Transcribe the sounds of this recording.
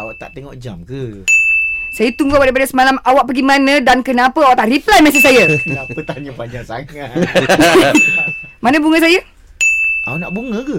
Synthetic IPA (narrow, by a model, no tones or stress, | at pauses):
awaʔt̪a̰ʔt̪eŋɔʔd͡ʒamkə | sajət̪uŋɡowadɾaipadəsəmalamawaʔ̚paɡimanə̃dankənãpəawaʔt̪aʔriplajmɛsisajəãpət̪aɲəpad͡ʒaŋsa̰ŋa | manə̃buŋəs̬ajə | o̰naʔbuŋəkə